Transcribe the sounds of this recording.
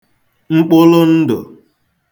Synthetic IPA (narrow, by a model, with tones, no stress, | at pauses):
ŋ͡m̩˦k͡pʊ˦lʊ˦n̩˦dʊ̰˨